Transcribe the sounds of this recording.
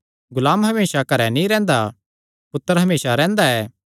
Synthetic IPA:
ɡʊlaːmɦɐmeːsakɐɾɛnĩɾɛ̃ːnd̪a | pʊt̪ːəɾɦɐmeːsaɾɛ̃ːnd̪aɛː

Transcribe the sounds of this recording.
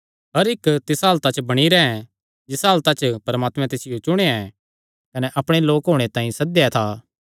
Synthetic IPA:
ɦɐɾɪkt̪ɪsaːlt̪at͡ʃbɐɽ̃iɾɛɛ̃ | d͡ʒɪsaːlt̪at͡ʃpɐɾɐmaːt̪mɛ̃t̪ɪsɪjot͡ʃʊɽ̃eaɛ | kɐnɛʔɐpɽ̃eloːkɦoːɽ̃et̪ãːĩsɐd̪ɛt̪ʰaː

